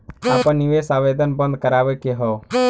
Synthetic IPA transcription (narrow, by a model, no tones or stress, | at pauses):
apənːiwesabed̪ənbənd̪̚kəɾabəkeɦɔ